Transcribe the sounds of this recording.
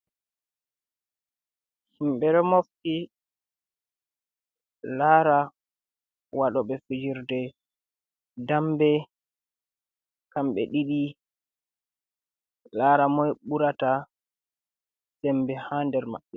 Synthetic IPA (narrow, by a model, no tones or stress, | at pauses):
himɓɛɾɔmofti | laːɾa | waɗɔɓɛfid͡ʒiɾdɛ | dambɛ | kamɓɛ̰ɗiɗi | laɾamɔjɓuɾata | sɛmbɛhandɛɾma̰ɓːɛ